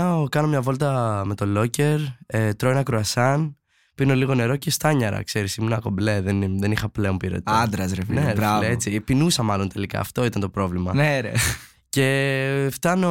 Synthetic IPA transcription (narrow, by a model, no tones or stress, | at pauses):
ɐokɐno̞mɲɐvo̞lt̪ɐme̞t̪o̞lo̞ce̞ɾet̪ɾoenɐkɾoɐsɐn | pino̞liɣo̞ne̞ɾo̞ce̞st̪ɐɲɐɾɐ̰kse̞ɾisimunɐko̞mbleðenðenixɐpleo̞mpiɾo̰t̪ɐnd̪ɾɐsɾefneɾeɾɐet͡sipinusɐmɐlo̞nt̪e̞likɐ̰ːft̪o̞it̪ɐnt̪o̞pɾo̞vlimɐneɾe | ce̞ft̪ɐno